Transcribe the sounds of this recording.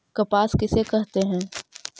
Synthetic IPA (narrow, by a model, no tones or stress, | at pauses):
kɐpaːskɪsekɛɦt̪eɦɛ̃ː